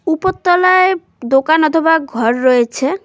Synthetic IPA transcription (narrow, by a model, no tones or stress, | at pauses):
upot̪ːɔlae | d̪okanɔt̪ʰobak̚ɡʱɔɾːɔet͡ɕʰe